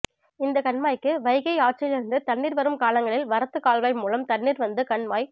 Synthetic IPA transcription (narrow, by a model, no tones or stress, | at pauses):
ɪnd̪ɐkɐɳmaːjkːɯʋɐɪɣɐɪaːʈ̚t͡ʃɐjɪlɪɾɯnd̪ɯt̪ɐɳːiːɾʋɐɾɯmkaːlɐŋɡɐɭɪlʋɐɾɐt̪ːɯkaːlʋɐɐɪmuːlɐmt̪ɐɳːiːɾʋɐnd̪ɯkɐɳmaːj